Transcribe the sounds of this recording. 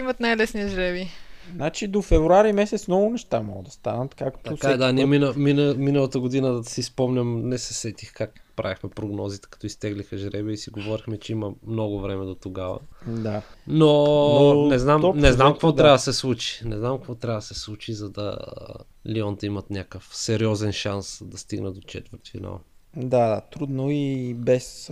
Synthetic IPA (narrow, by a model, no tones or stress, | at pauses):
imɐt̪najlɛsniʒɾɛbinat͡ʃid̪ofɛvɾuaɾimɛsɛt̪smnɔɡʊnɛʃt̪amɔɡəd̪ɐst̪a̰nət̪kakt̪ɐokaɛd̪animinəminminəlˠɐt̪əɡod̪inəd̪sispɔmnʲəmnɛsɛsɛt̪ixkakpɾa̰vixmɛpɾoɡnɔzit̪ɛ̥kɐt̪ɔist̪ɛɡlixɐʒɾɛbɛisiɡovɔɾixmɛt͡ʃɛiməmnɔɡʊvɾɛmɛd̪ot̪oɡavə̰d̪ano | nɛznamnɛznamkɐkvot̪ɾabəd̪ɐsɛslˠut͡ʃi̥nɛznamkɐkvɔt̪ɾʲabəd̪ɐsɛslˠut͡ʃizɐd̪ɐ̰ | liɔnt̪əimət̪nʲakəfsɛɾiɔzɛnʃansd̪ɐst̪iɡnəd̪ot͡ʃɛ̰t̪vəɾt̪fina̰lˠd̪ad̪at̪ɾud̪noibɛs